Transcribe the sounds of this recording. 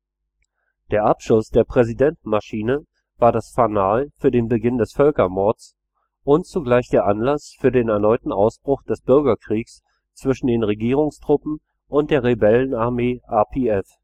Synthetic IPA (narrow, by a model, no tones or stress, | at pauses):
d̥eːɐʔapʃʊsd̥eːɐpʁ̥ɛzidɛntn̩maʃiːnə | vaːɐdasfanaːlfyːɐdeːnbəɡɪndɛsfœlkɐmɔɐt͡s | ʔʊntt͡suɡlaɪçd̥eːɐʔanlasfyːɐdeːnɛɐnɔʏtn̩ʔaʊsb̥ʁʊxd̥ɛsb̥ʏɐɡɐkʁ̥iːks | t͡sv̥ɪʃn̩deːnʁeɡiːʁ̞ʊŋstʁ̥ʊpm̩ | ʔʊntd̥eːɐʁebɛlənaɐmeːʔapʰeːɛf